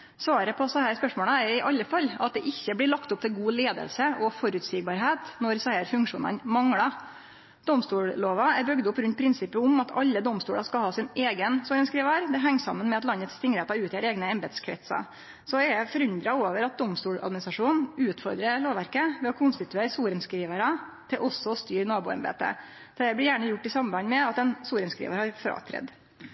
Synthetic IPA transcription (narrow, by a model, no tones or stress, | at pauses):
sʋɑːɾəpʰɔsɛhæːɾspœʂmoːləæɾɪʔɑlːəfɑlːɑt̪̚d̪ɛʔɪçːəblɪɭɑkt̪ʊp̚t̪ʰɪlɡuːleːd̪ə̰lsəʔɔfɔɾʉːt̪siːɡ̚bɑːɾɦeːt̪nɔɾsæɪəɾfʉŋkʂuːnə̰nmɑŋɽɑ | d̪̥ɔmst̪uːɽloːʋɑæɾbœɡd̪əʊpːɾʉnt̪pʰɾɪnsɪpːəʊmɑt̪ʰɑ̰lːəd̪ɔmst̪uːɽɑskɑlhɑːsɪneːɡənsuːɾənskɾiːʋɑɾd̪ɛɦɛŋːsɑ̰mːənmɛɑt̪lɑnːət̪st̪ɪŋɾɛt̪ɑʉːt̪ɪɛæɾeːɡnəɛmbeːd̪skʰɾɛ̰t̪sɑ̰ | sɔɛɖɛfɔɾʉnd̪ɾɑoːʋəɾɑt̪̚d̪ɔmst̪uːɭɑ̰d̪mɪnɪst̪ɾɑʂuːnʉːt̪fɔɾd̪ɾəloːʋæɾkəʋɛɔkʰʊnst̪ɪt̪ʉeːɾsuːɾənskɾiːʋəɾɑ | t̪ʰɪlʔɔsːɔst̪yːɾnɑːbṵːɛ̰nbḛːt̪ə̰ | æɪblɪɾjæːɳəjʊʈːɪsɑmbɑɪnmɛɑt̪ɛnsuːɾənskɾḭːʋəɾhɑɾfɾɑ̰ːt̪ʰɾɛ̰d̪